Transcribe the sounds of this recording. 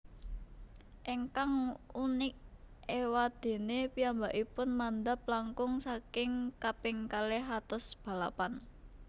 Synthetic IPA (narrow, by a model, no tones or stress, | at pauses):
ʔiŋkaŋunɪk̚ | ewad̪̥e̤nepiambaʔipʊnmand̪ap̚laŋkʊŋsakɪŋkapɪŋkaleɦat̪ʊsb̥a̤la̰pan